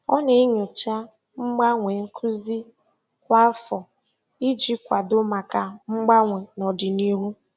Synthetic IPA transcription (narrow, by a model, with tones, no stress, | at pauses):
ɔ˦ne˨˦ɲʊ˨t͡ʃa˦ | ŋ͡m̩˦ɡ͡ba˦ŋʷe˨ŋ̩˦kʰu˦zi˦ | kʷa˦fɔ˨ | i˦d͡ʒi˦kʷa˨dʊ˦ma˨ka˨ŋ͡m̩˦ɡ͡ba˦ŋʷe˨nɔ˨dɪ˨ni˦ɦu˦